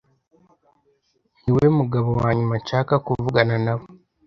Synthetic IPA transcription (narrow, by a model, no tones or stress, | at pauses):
niwe̞muɡaβowaːɲumat͡ʃaːkakuvuɡananaβo